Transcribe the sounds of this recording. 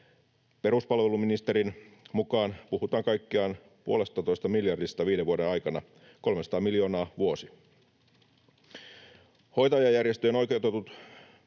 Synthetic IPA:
pe̞ɾuspɑlʋe̞luminist̪e̞ɾinmukɑːnpuhut̪ɑːŋkɑjkːiɑːn | puo̞lest̪ɑt̪o̞jst̪ɑmiljɑrdist̪ɑʋiːdeʋuo̞de̞nɑjkɑnɑ | ko̞lmesɑt̪ɑːmiljo̞ːnɑːʋuo̞si | ho̞jt̪ɑjɑjærjest̪øjeno̞jkewt̪et̪ut̪

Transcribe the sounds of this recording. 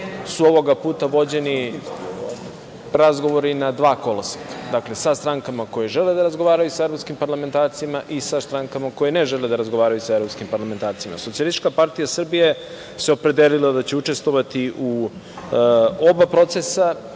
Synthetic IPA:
suo̞ʋo̞ɡapuːt̪aʋo̞d͡ʑe̞ni | ɾazɡo̞ʋo̞ɾinad̪ʋaːko̞lasikḁd̪akle̞sast̪ɾaŋkamako̞jeʒe̞led̪aɾazɡo̞ʋaːɾajusaevɾopskimpaɾlame̞nt̪aːɾt̪siimaʔisast̪ɾaŋkamako̞jeneʒeled̪aɾazɡo̞ʋaːɾajusaeɾopskimpaɾlame̞nt̪aːɾt̪sima̰sot̪sialist̪i̥t͡ʃkapaɾt̪ijasr̩bije | seopɾe̞d̪elilˠad̪at͡ɕe̞ut͡ʃe̞st̪ʋo̞ʋat̪iʔu | o̞bapɾo̞t̪sesa

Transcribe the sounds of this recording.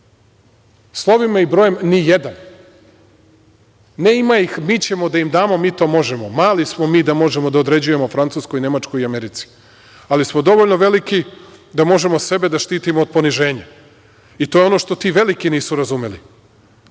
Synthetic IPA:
slˠo̞ʋimaibɾo̞ːje̞mnijed̪an | ne̞imaixmit͡ɕe̞mo̞d̪aimd̪aːmo̞miːt̪o̞ːmo̞ʒe̞momaːlismo̞miːd̪amo̞ʒe̞mod̪aod̪ɾe̞d͡ʑuje̞mofɾant̪uːsko̞jine̞mat͡ʃko̞jiameɾit̪si̥ | alismod̪o̞ʋoʎnoʋe̞likid̪amo̞ʒe̞mo̞se̞be̞d̪aʃt̪iːt̪imoːd̪̚poniʒe̞ːɲa | it̪ojeo̞no̞ʃt̪ot̪iːʋe̞likiniːsuɾazume̞lḭ

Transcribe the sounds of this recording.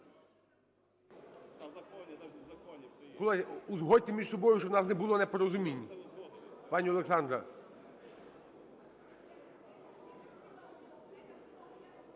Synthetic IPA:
kɔlˠɛuzɦɔt̪ɪmʲiʒsɔbɔjʊʃɔnɑsnɛbʊlˠɔnɛpɔɾɔzʊmʲinʲː | pɑnʲiɔlˠeksɑnd̪ɾɐ̰

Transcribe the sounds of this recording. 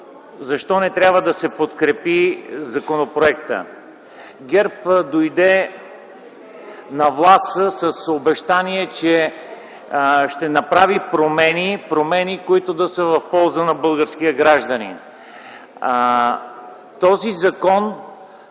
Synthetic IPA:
zɐʃt̪ɔnɛt̪ɾʲabvəd̪ɐsɛpot̪kɾɛpizɐkonopɾoɛkt̪ə̰ | ɡʲɛɾpd̪ojd̪ɛ | nɐvlˠast̪əsəsobɛʃt̪aniɛt͡ʃɛ | ʃt̪ɛnɐpɾavipɾomɛnipɾomɛnikoit̪od̪ɐsəvɐfpɔlˠzənɐbɤlˠɡəɾsk̟iəɡɾaʒd̪ənḭn | t̪ɔzizɐkɔn

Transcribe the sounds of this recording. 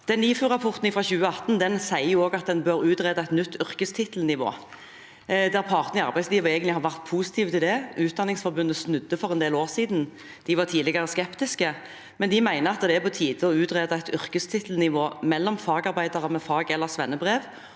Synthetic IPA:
d̪̥ɛnliːfʉːʁɑpʰɔʁt̪n̩ɪfʁɑçʉːəɑt̪n̩d̪ɛnsæɪəjʊoːɡɑt̪̚d̪ɛnbøɾʉːt̪ʁæːd̪ɑɛɪt̪nʏt̪ːʏʁkəst̪ʰɪt̪l̩nɪʋo̰ː | d̪æʁpʰɑːʁt̪nɪɑɾbæɪsliːʋɑɾeːɡənlɪhɑɾʋæʁt̪pʰuːsɪ̥t̪ʰiːʋət̪ɪld̪ɛʔʉːt̪̚d̪ɑnːɪŋsfɔʁbʉnd̪əsnʉd̪ːəfɔʁɛnd̪eːloːʁsiːd̪n | d̪̥ɪʋɑʁt̪ʰiːlɪɡəʁəskɛpt̪ɪskə | mɛnd̪ɪmæɪnəɑt̪d̪ɛæpʰɔt̪ʰiːd̪əɔʉːt̪ʁeːd̪ɑæt̪ʏʁkəst̪ʰɪt̪l̩nɪʋoːmɛlːɔmfɑːɡɑʁbæɪd̪ɑʁəmɛfɑːɡɛlːəʁsʋɛnːəbʁeːʋ

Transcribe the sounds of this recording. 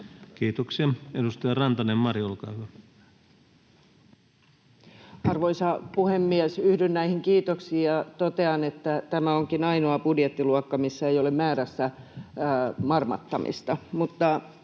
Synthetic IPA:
kiːt̪oksiɑedust̪ɑjɑrɑnt̪ɑnemmɑrjolkɑ̰ːhyæ | ɑrʋoisɑpuhemːiɛsyhdynnæihiŋkiːt̪oksiːjɑt̪ot̪eɑnet̪ːæt̪æmæoŋkinɑinoɑpudjet̪ːiluɑkːɑmisːæejolemmæːɾæsːæ | mɑrmɑ̰t̪ːɑmḭst̪ɑmut̪ːɑ

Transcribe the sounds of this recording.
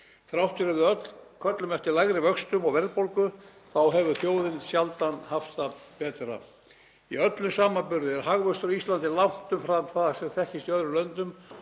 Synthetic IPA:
θɾawht̪ɪɾɛvðɪœt̪lkʰœt̪lʏmɛft̪ɪlajɣɾɪvœkst̪ʏmɔɣvɛɾðpowlkʏ | θawɦɛvʏθjoːwðɪnsjalt̪anhaft̪θapɛːt̪ɾa̰ | iœt̪lʏsaːmampʏɾðɪɛɾɦaɣvœst̪ɾɔist̪lant̪ɪlam̥t̪ʏmfɾamθaðsɛmθɛhcɪst̪ijœðɾʏlœnt̪ʏm

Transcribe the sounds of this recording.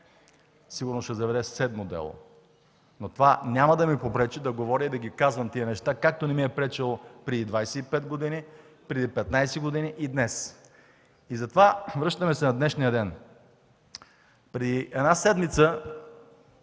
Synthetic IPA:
siɡʊɾnosʃɛzɐvɛd̪ɛsɛd̪mod̪ɛ̰lˠo̰ | not̪ovanʲamɐd̪ɐmipopɾɛt͡ʃid̪ɐɡovɔɾʲiid̪ɐɡʲikazvɐmt̪iənɛʃt̪akak̚t̪onɛmiɛpɾɛt͡ʃɛlˠopɾɛd̪id̪vajsɛipɛd̪ɡod̪ini | pɾɛd̪ipɛt̪najsɛɡod̪iniʔid̪nɛs | izɐt̪ovavɾɤʃt̪ɐmɛsɛnɐd̪nɛʃnijəd̪ɛn | pɾɛd̪iɛd̪nasɛd̪mit̪sə

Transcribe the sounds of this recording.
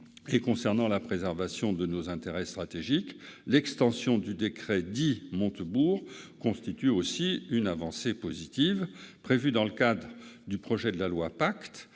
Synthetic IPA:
ekɔ̃sɛʁnɑ̃lapχezɛʁvasjɔ̃d̪ənozɛ̃t̪eʁɛst̪χat̪eʒiklɛkst̪ɑ̃sjɔ̃d̪yd̪ekχɛd̪imɔ̃t̪əbuʁkɔ̃st̪it̪yosiynavɑ̃sepozit̪ivpχevyd̪ɑ̃ləkad̪ʁəd̪ypχɔʒɛd̪əlalwapakt̪

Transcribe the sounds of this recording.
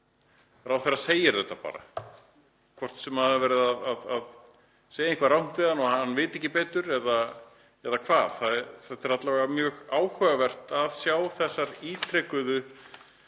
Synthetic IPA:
ɾawθɛɾːaseːjɪɾθɛht̪ːapa̰ːɾa̰ | kʰvɔr̥t̪sɛmhaðɪvɛːɾɪðaðaðað | seːjaiŋkvaɾrawn̥t̪vɪðanɔhahanːvɪːt̪ɪɛhcːɪpɛːt̪ʏɾɛða | ɛɾðakʰvaːðθaðθɛt̪ːɛɾat̪lavɣamjœːɣaːwhœɣavɛr̥t̪aðsjaːwθɛsːaɾiːt̪ʰɾɛkʏðʏ

